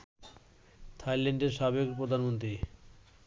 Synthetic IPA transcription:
t̪ʰajleɳɖeɾʃabekpɾod̪ʱanmont̪ɾi

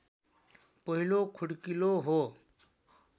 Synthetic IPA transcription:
pəɦilokʰʊɽkiloɦoː

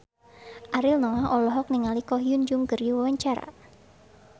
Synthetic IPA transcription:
ʔaɾɪlnɔlahɔlɔɦɔk̚niŋalikɔɦiund͡ʒuŋkɨrdiwawaɲt͡ʃaɾa̰

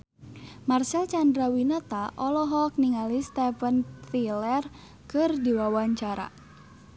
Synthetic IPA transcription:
marsɛlt͡ʃandɾawinat̪aʔɔlɔɦɔk̚niŋalist̪ɛfəntilɛr | kɨrdiwawaɲt͡ʃaɾa̰

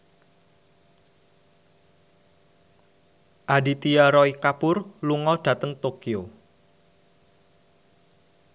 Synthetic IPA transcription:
ʔadit̪ijaɾɔikapʊrluŋɔɖ̥ä̤t̪əŋt̪okio

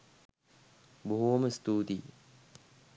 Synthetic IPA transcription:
buɦuʋɐməst̪uːd̪iː

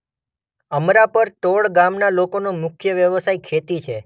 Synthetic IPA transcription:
əmɾapəɾʈoɭɡamnalokonomʊkʰjəʋjəʋəsajkʰet̪it͡ʃʰe

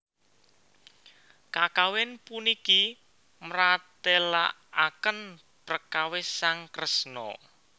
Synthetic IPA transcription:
kakawɪnpuniki | mɾat̪elaʔakən | pɾəkawɪsaŋkɾəsnɔ̰

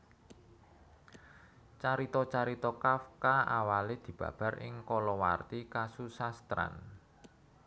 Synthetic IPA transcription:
t͡ʃaɾit̪ɔt͡ʃaɾit̪ɔkafkaawaled̪̥i̤b̥ä̤̰b̥a̤rɪ̰ŋkɔlɔwa̰rt̪ikasusast̪ɾa̰n

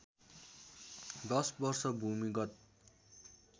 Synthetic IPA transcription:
d̪ʌsbʌrsʌbʱumiɡʌt̪̚

